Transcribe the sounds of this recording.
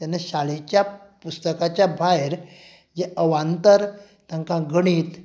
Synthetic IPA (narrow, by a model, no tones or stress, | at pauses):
t̪anːaɕalit͡ɕjapust̪əkat͡ɕjabʱajɾ | d͡ʑeəʋãnt̪əɾ | t̪ãŋkãɡəɽ̃iːt̪